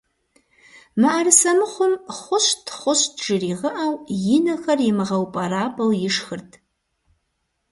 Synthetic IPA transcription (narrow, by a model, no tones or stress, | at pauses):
maʔarɨsɐmɨχʷʊmχʷʊɕtʰχʷʊʃdʒɨriːʁəʔawjɪnɐxɐrjɪmɨʁɐwpʼɐraːpʼɐwjɪʂxɨrtʰʼ